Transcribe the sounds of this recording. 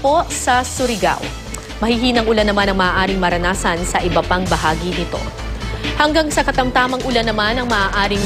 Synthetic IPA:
po̞sɐsʊɾɪɡa̰w | mɐhɪɦiːnɐŋʔʊlanɐmanɐŋmɐʔaːʔaːɾɪŋmɐɾɐnaːsɐnsɐʔɪbɐpaŋbɐɦaːɡinɪt̪o̰ | hɐŋɡaŋsɐkɐt̪ɐmt̪aːmɐŋʔʊlanɐmanɐŋmɐʔaːʔaːɾɪŋ

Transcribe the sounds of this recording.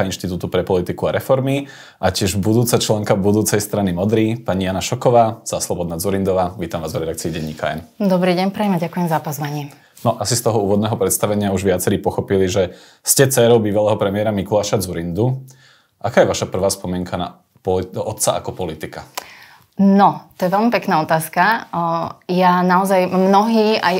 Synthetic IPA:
ainʃt̪it̪uːt̪upɾɛpɔlit̪ikuaɾɛfɔɾmi | ʔacɪɛʒbud̪uːt͡sat͡ʃlɛŋkabud̪uːt͡sɛjst̪ɾanimɔd̪ɾiːpaɲijanaʃɔkɔʋaːz̥aslɔbɔd̪naːd͡zuɾind̪ɔʋaːʋiːt̪amʋaːzvɾɛd̪akt͡siːɟɛɲːiːka̰ɛ̰nd̪ɔbɾiːɟɛɲpɾɛimaɟakujɛmzapɔzʋaɲɛ | nɔʔasist̪ɔɦɔuːʋɔd̪nɛɦɔpɾɛt̪st̪aʋɛɲɪauʒʋɪat͡sɛɾiːpɔxɔpiliʒɛ | scɛt͡sɛːɾɔʊbiːʋalɛːɦɔpɾɛmiɪɛɾamikulaːʃad͡zuɾind̪u | ʔakaːjɛʋaʃapr̩ʋaːspɔmɪɛŋkʰana̰ | pɔɔt̪t͡saʔa̰kɔpɔlit̪ika | nɔt̪ɔjɛʋɛlmipɛknaːɔt̪aːska | janaɔzajmnɔɦiːaj

